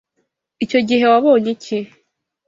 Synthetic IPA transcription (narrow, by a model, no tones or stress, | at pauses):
ico̞ɟiɦe̞waβo̞ːɲeci